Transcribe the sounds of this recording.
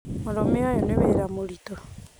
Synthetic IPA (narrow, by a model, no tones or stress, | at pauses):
moɾomeajɔneβeɾamoɾito